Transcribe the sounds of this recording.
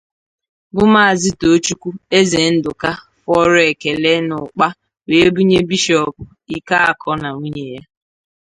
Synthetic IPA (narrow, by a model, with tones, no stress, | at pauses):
bʊ˦ma˦a˨zɪ˦to˨˦t͡ʃu˦kʷu˦e˦ze˨n̩˦dʊ˨ka˦ | fɔ˦ɾe˨ke˨le˦nʊ˨k͡pa˦ | we˨˦bu˦ɲe˦bi˦ʃɔ˨pʊ˨ | i˦ka˦a˨kʰɔ˦na˨ŋu˦ɲe˨ja˦